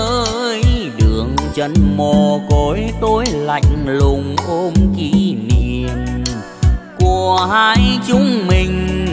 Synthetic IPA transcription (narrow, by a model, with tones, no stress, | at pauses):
jɗɨ˨˩əŋt͡ɕə˨˦nmo˨˩ko˨˦jt̪o˧jla̰˧˩˨jk̟lʊ˨ŋ͡mʔo˧mki˧˥˦ni˧˨˩ən | ku˧˩əhaː˧jt͡ɕʊ˧˦ŋ͡mmï˨˩ŋ̟